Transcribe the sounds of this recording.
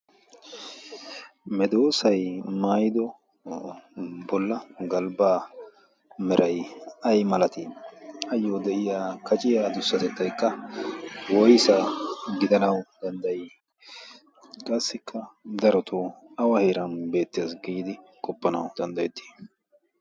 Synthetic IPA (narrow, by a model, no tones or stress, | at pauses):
mɛd̪oːsɐjmaːjɪd̪ɔ | bɔlːɐɡɐlbaː | mɛɾʔɐjɐjmɐlɐt̪ɪɐjːoːd̪ɛʔɪjaːkɐt͡ʃʼɪjaːd̪ʊsːɐt̪ɛt̪ːɐjkːɐ | wɔjsɐɡɪd̪ɐnɐwd̪̥ɐnd̪ɐjɪ | kʼɐsːɪkʰːɐd̪ɐɾɔt̪ʰoɐwɐheːɾɐnbe̞ːt̪ːɪjasɡiːd̪ɪkʼɔpːɐnɐwd̪̥ɐnd̪ɐjɛt̪ːi̥ː